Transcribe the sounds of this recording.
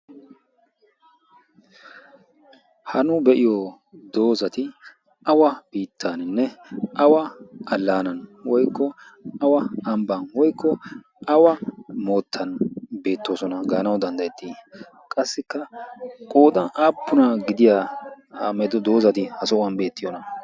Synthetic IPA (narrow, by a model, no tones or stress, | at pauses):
hɐnʊbɛʔɪjɔ | d̪o̞ːzɐt̪ɪ | ɐwɐb̥iːt̪ʰːanɪnːɛʔɐwɐʔɐlːaːnɐnwɔjkːɔɐwɐɐmbɐnwɔjkːɔ | ʔɐwɐmo̞ːt̪ʰːɐnbe̞ːt̪ːo̞ːsɔnɐɡaːnɐwd̪ɐnd̪ɐjɛt̪ːi | kʼɐsːɪkːɐkʼo̞ːd̪ɐnʔaːpːʊnɐɡɪd̪ɪja | haːmɛd̪ɔd̪o̞ːzɐt̪ɪhɐsɔɐnbe̞ːt̪ːɪjɔnɐ